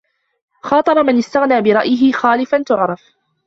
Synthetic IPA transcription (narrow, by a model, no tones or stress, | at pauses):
xɑːt̪ˤɑbɑmɪnɪst̪aɣnaːbɪɾˤɑʔjɪɦɪxaːlɪfant̪ʊʕɾˤɑf